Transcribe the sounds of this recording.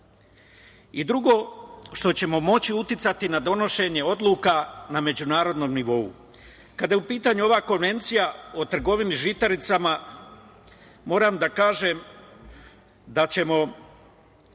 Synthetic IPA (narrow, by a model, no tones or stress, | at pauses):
id̪ɾuɡo̞ʃt̪o̞t͡ɕe̞mo̞mo̞t͡ɕiut̪jit̪sat̪inad̪o̞no̞ʃe̞ɲe̞o̞d̪lˠuːkaname̞d͡ʑunaːɾo̞d̪no̞mniʋo̞ṵ | kad̪ajeupiːt̪aɲuo̞ʋako̞nʋe̞nt̪sijao̞t̪r̩ɡo̞ʋiniʒit̪aɾit̪sama | mo̞ːɾamd̪akaːʒe̞m | d̪at͡ɕe̞mo̞